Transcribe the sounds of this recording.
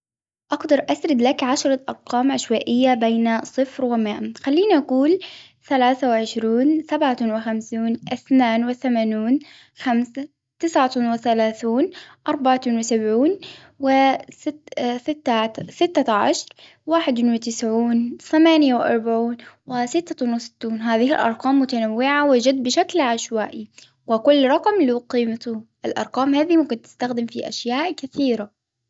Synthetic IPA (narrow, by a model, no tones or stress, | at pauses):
ʔɑɡd̪ɑɾˤʔasɾɪd̪lakʕaʃɾˤɑʔɑɾˤqɑːmʕaʃwaːʔɪjːabeːnasˤɨfɾwɪmaːʔxalːiːniʔaɡuːl | θalaːθawɪʕɪʃɾuːnsabʕawɪxamsuːnʔɪθnaːnwɪθamaːnuːn | xamsa | t̪ɪsʕawɪθalaːθuːnʔɑɾˤbaʕanwɪsabʕuːn | wɪ | sɪt̪ːasɪt̪ːaʕa̰ʃɾˤ | waːħɪd̪wɪt̪ɪsʕuːnθamaːnjawɪʔɑ̰ɾˤbaʕuːnwɪsɪt̪ːanwɪsɪ̥t̪ːuːnɦaːðɪhɪ̰lʔɑ̰ɾˤqɑːmːʊt̪anawːɪʕawɪd͡ʒad̪̚ːbɪʃaklʕaʃwaːʔi | wɪkʊlːɾˤɑqmliqiːmat̪ʊʔɪlʔɑ̰ɾˤqɑːmhaːðimʊkɪnt̪ɪ̥st̪axd̪ɪmfiʔa̰ʃjaːʔkaθiːɾa